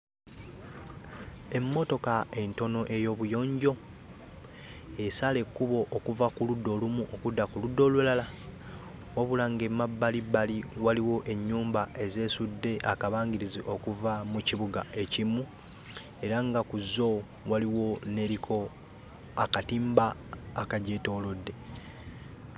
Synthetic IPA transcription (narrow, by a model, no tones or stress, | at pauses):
e̞mːo̞to̞kae̞nto̞no̞ʔe̞jo̞ːβujo̞ːɲɟo̞ | e̞sale̞kːuβo̞ʔːkuvakuludːo̞lumuʔokudːakuludːo̞lulala | woβulaːŋɡe̞mːabːalibaliwaliwo̞ʔe̞ɲːuːmbae̞ze̞ːsudːe̞ʔakaβaːŋɡiɾiziʔo̞kuvamuciβuɡae̞cimːu | e̞ɾaŋɡakuzːo̞ | waliwo̞ne̞ɾikʰo̞ | akatiːmbaːkaɟe̞to̞ːlodːe̞